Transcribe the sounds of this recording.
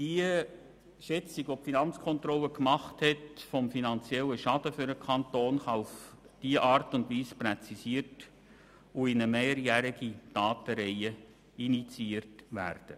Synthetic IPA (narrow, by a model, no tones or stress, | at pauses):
d̥iə | ʃɛt͡siɡʋɔpfinɑnt͡skʰɔnt̪rɔlːəkmɑχthɛtfɔmfinɑnt͡sjɛlːəʃɑd̥əfʏɾəkʰɑntoːnχɑufd̥iəʔɑːrtʊndʋiːsprɛt͡sisiːərt | uɪnəmeːɾjæɾiɡid̥ɑːtəɾɛɪə | init͡siiːərtʋæ̰ːrd̥ə